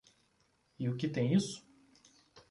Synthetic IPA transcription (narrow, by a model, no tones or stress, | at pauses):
ɪʊkɪt̪ẽj̃isʊ̥